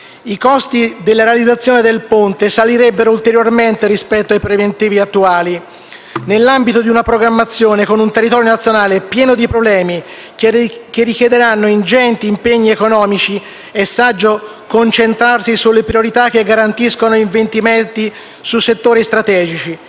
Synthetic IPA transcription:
ikɔst̪id̪elːaɾealid̪zat̪sːjoːned̪elpont̪esaliɾɛbːeɾoult̪eɾjorment̪eɾispɛt̪ːoajpɾevent̪iːviat̪ːuaːli | nelːambit̪od̪iunapɾoɡɾamːat̪sːjoːnekonunt̪erːit̪ɔːɾjonat̪sːjonaːlepjɛːnod̪ipɾoblɛːmi | kerːikjed̪eɾanːoind͡ʒɛnt̪iːmpeɲːiekonɔːmit͡ʃi | esːad͡ʒːo | kont͡ʃent̪ɾarsisulːepɾioɾit̪ak̟ːeɡːaɾant̪iskonoiɱvent̪iment̪i | susːet̪ːoːɾist̪ɾat̪ɛːd͡ʒit͡ʃi

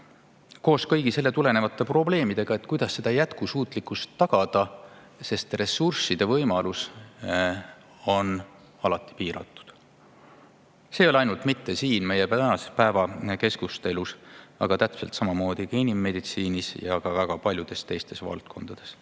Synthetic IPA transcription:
ko̞ːskɤjɡ̥ise̞lːe̞t̪ule̞ne̞vɑt̪ːe̞pro̞ble̞ːmid̪̥e̞ɡ̥ɑe̞t̪kujd̪̥ɑsːe̞d̪̥ɑjæt̪kusuːt̪ˑlikːˑust̪ːɑɡ̥ɑd̪̥ɑ | se̞st̪re̞sursid̪̥e̞vɤjmɑlus | o̞n | ɑlɑt̪ːˑi̥piːɾɑ̰t̪ːˑu̥d̪̥ | se̞ːjo̞leɑjnult̪mit̪ːe̞siːnme̞jept̪ænɑsespæevɑke̞skust̪e̞lusɑ̰ɡ̥ɑt̪æt̪mse̞lt̪sɑmɑmo̞ːd̪̥ikɑinimːe̞d̪̥it̪siːnisjɑɡ̥ɑvæɡ̥ɑpɑlʲjud̪e̞st̪e̞jst̪e̞svɑ̰lt̪̚kʰo̞nd̪̥ɑd̪̥e̞s

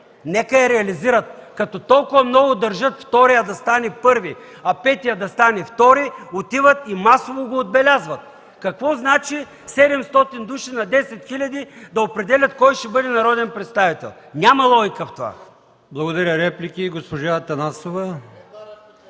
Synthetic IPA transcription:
nɛkəɛɾɛɐliziɾɐt̪̚kɐt̪ɔt̪ɔlˠkʊvɐmnɔɡʊd̪ɐɾʒɤt̪ft̪ɔɾijɐd̪ɐst̪anɛpɤɾvi | ɐpɛt̪ijəd̪ɐst̪anɛft̪ɔɾiot̪ivət̪imasovoɡoːd̪̚bɛlʲazvɐt̪̚ | kɐkvɔznat͡ʃi | sɛd̪ɛmst̪ɔt̪ind̪uʃinɐd̪ɛsɛt̪xilʲɐd̪id̪ɐopɾɛd̪ɛlʲɐt̪kɔjʃt̪ɛbɤd̪ɛnɐɾɔd̪ɛnpɾɛt̪st̪avit̪ɛ̰lˠ | nʲamɐlˠɔjkəft̪ova̰ | blˠɐɡod̪ɐɾʲəɾɛplʲikʲiɡospoʒat̪ɐnasovɐ

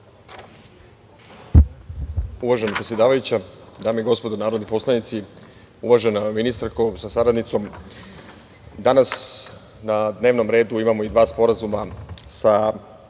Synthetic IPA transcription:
uʋaʒenapɾesjeaːʋajut͡ɕad̪aːmeiɡo̞spo̞d̪onaːɾo̞d̪nipo̞slˠanit̪si | uʋaʒenaminist̪aɾkosasaɾad̪nit̪so̞m | d̪anas | nad̪ne̞ːʋno̞mɾe̞ːd̪uimamo̞id̪ʋaːspo̞ɾazumasa

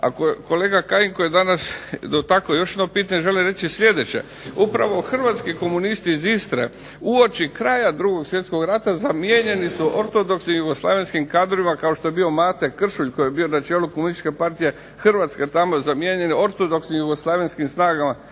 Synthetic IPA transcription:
a̰koko̞le̞ːɡakajiŋkojed̪anasd̪ot̪akojo̞ʃ̬jed̪nopiːt̪aɲeʒe̞limɾet͡ʃislʲe̞d̪e̞t͡ɕe̞̰ | upɾaʋo̞xr̩ʋat̪skiko̞munist̪iːzist̪ɾḛ | uo̞t͡ʃikɾaːjad̪ɾuɡo̞ɡsʋje̞t̪sko̞ɡɾat̪azamjeɲe̞nisuʔoɾt̪o̞d̪o̞ksnimjuɡo̞slˠa̰ːʋenskimkaːd̪ɾoʋimakao̞ʃt̪o̞je̞bio̞maːt̪e̞kr̩ʃuʎko̞jebio̞nat͡ʃeːlukomunisi̥t͡ʃke̞paɾt̪ije̞ | xrʋat̪ske̞t̪amozamje̞ɲe̞nio̞ɾt̪od̪o̞ksnimjuɡoslˠaːʋenskimsnaːɡama

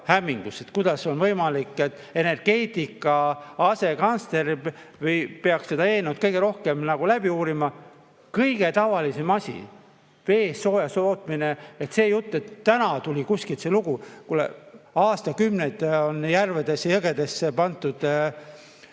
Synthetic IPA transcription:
hæmːiŋɡ̥use̞t̪kujd̪̥ɑso̞nvɤjmɑlikːˑet̪ːˑe̞ne̞rɡ̥e̞ːt̪ˑikːˑɑɑse̞kɑnsle̞ɾi | vɯjpeɑksse̞d̪ɑe̞ːnot̪̚kɤjɡ̥e̞ɾo̞hke̞mnɑɡ̥ulæb̥iuːɾimɑ | kɤjɡ̥e̞t̪ɑvɑlise̞mɑsʲḭ | ve̞ːsːo̞ːjɑsoːt̪ːmineet̪se̞ːjut̪ːe̞t̪ːænɑt̪ulʲikusʲkilt̪se̞luɡ̥ukulḛɑːst̪ɑkymnet̪onjærved̪̥esːejɤɡe̞d̪̥e̞sːepɑnt̪ːˑud̪̥

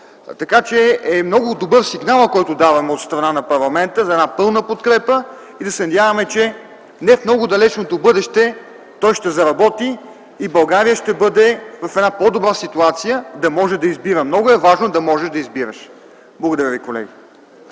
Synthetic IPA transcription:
t̪ɐkat͡ʃɛɛmnɔɡʊd̪obɤɾsiɡnalˠkɔjt̪ʊd̪avɐmɛot̪st̪ɾɐnanɐpɐɾlˠɐmɛnt̪əzɐɛd̪apɤlˠnəpot̪kɾɛpə | id̪ɐsɛnɐd̪ʲjavɐmɛt͡ʃɛ | nɛfmnɔɡʊd̪ɐlɛt͡ʃnot̪obɤd̪ɛʃt̪ɛ | t̪ɔjʃt̪ɛzɐɾɐbɔt̪iː | bɐlˠɡaɾijəʃt̪ɛbɤd̪ɛvɐfɛd̪napɔd̪obɾasit̪uat̪sijəd̪ɐmɔʒɛd̪ɐizbiɾəmnɔɡʊɛvaʒnod̪ɐmɔʒɛʃd̪ɐizbiɾə̰ʃ | blˠɐɡʊd̪ɐɾʲavikolɛ̰ɡʲi

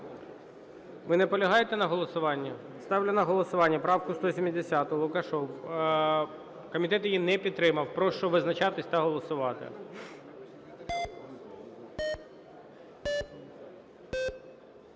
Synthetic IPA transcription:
ʋɪnɛpɔlʲɐɦɑjet̪ɛnɐɦɔlˠɔsʊʋɑnʲːɐ | st̪ɑwlʲʊnɐɦɔlˠɔsʊʋɑnʲːɐpɾɑwkʊst̪ɔsʲimʲid̪ʲesʲat̪ʊlˠʊkɐʃɔw | kɔmʲit̪ɛt̪jijinɛpʲid̪̚t̪ɾɪmɐwpɾɔʃt͡ʃɔʋɪznɐt͡ʃɑt̪ɪsʲt̪ɐɦɔlˠɔsʊʋɑt̪ɪ̰

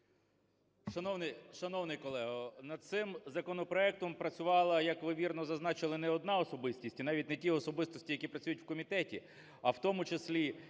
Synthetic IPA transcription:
ʃɐnɔwnʃɐnɔwnɪjkɔlˠɛɦɐnɐd̪̚t̪sɪmzɐkɔnɔpɾɔɛk̚t̪ɔmpɾɐt͡sʲʊʋɑlˠɐjɐkʋɪʋʲirnɔzɐznɑt͡ʃɪlˠɪnɛɔd̪̚nɑɔsɔbɪsʲtʲisʲtʲinɑʋʲitʲnɛtʲiɔsɔbɪst̪ɔsʲtʲijɐkʲipɾɐt͡sʲujʊtʲwkɔmʲit̪ɛtʲi | ɐwt̪ɔmʊt͡ʃesʲlʲi

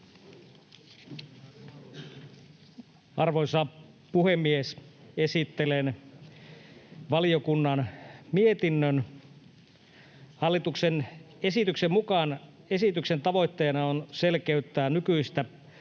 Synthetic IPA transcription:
ɑrʋoisɑ | puhemːiese̞sit̪ːelen | ʋɑliokunːɑnmiet̪inːøn | hɑlːit̪uksen | e̞sit̪yksemmukɑn | e̞sit̪yksent̪ɑʋo̞jt̪ːeːnɑonse̞lkeyt̪ːæːnykyist̪æ

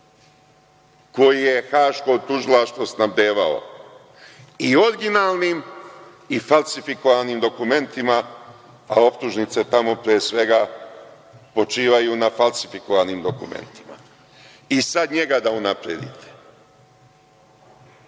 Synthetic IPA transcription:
ko̞jije̞xaːʃko̞t̪uʒilaʃt̪ʋosnabd̪e̞ːʋao̰ | io̞ɾɡinaːlˠniːm | ifalsifiko̞ʋanimd̪o̞kume̞nt̪ima | ao̞pt̪uʒnit̪se̞t̪amo̞pɾijesʋe̞ɡa | po̞t͡ʃiːʋajunafalsi̥fiko̞ʋaniːmd̪o̞kume̞̰nt̪i̥ma̰ | isad̪ɲe̞ɡad̪aunapɾed̪ḭt̪ʰe̥

